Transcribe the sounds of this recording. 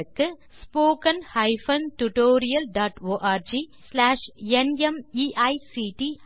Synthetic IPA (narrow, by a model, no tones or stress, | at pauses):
ɯkːɯspoːkɐnhɐɪfɐnʈʊʈoːɾɪjɐlɖaːʈoːʔaːɾd͡ʒislaːʂɛnɛmiʔɐɪsiʈi